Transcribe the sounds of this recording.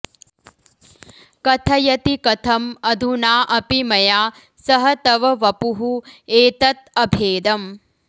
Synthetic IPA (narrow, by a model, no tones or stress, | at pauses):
kɐt̪ʰɐjɐt̪ikɐt̪ʰɐmɐd̪ʱunaːʔɐpimɐjaː | sɐɦɐt̪ɐʋɐʋɐpuɦueːt̪ɐt̪̚ɐbʱeːd̪ɐm